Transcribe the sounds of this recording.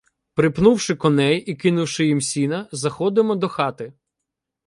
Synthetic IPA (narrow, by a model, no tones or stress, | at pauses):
pɾɪpnuwʃɪkɔnɛjikɪnʊwʃɪjimsʲinɐzɐxɔd̪ɪmɔd̪ɔxɑt̪ɪ